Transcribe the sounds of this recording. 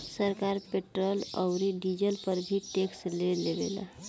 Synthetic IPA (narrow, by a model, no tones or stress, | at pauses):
səɾkaɾpeʈɾələwɾiɖid͡ʒəlpəɾbʱiʈeksleleʋela̰